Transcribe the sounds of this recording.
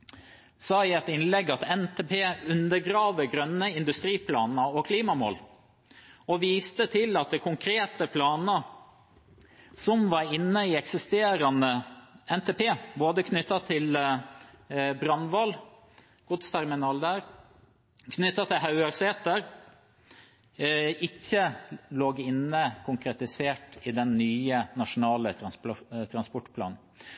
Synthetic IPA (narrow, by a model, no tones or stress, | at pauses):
sɑːɪɛt̪ɪnlɛɡːɑt̪ɛnt̪ʰepʰeːʉnd̪əɾɡɾɑːʋəɡɾœnːəɪnd̪ʉst̪ɾiːpʰlɑːnəɔkʰliːmɑmo̰ːl | ɔʋiːst̪ət̪ʰɪlɑt̪̚d̪ɛkʰʊŋkʰɾeːt̪əpʰlɑːnə | sɔmʋɑɾɪnːəiɛksɪst̪eːɾɑnəɛnt̪ʰeːpʰeːboːd̪əkʰnʏt̪ːɑt̪ʰɪl | bɾɑnʋɑl | ɡ̥ʊt̪st̪ʰæɾmɪnɑːld̪æːɾ | kʰnʏt̪ːɑt̪ʰɪlɦɑʉəɾseːt̪əɾ | ɪçːəloːɡɪnːəkʰʊŋkʰɾɛt̪ɪseːʈid̪ɛnːyːənɑʂʊnɑːlə | t̪ʰɾɑnspɔʈpʰlɑ̰ːnn̩